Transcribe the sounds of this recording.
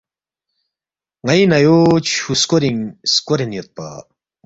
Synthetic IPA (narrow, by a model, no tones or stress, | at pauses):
ŋajnɐjot͡ɕʰuskoɾiŋskoɾenjot̪̚pa̰